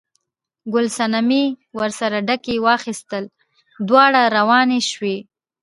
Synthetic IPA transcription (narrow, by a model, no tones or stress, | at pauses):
ɡʊlsanamiwaɾsaɾaɖakewɑxist̪əl | d̪wɑɽaɾawɑneʃwe